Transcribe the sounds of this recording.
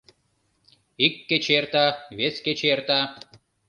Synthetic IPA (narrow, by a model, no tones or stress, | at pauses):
ikːet͡ɕert̪ɑβesket͡ɕert̪ɑ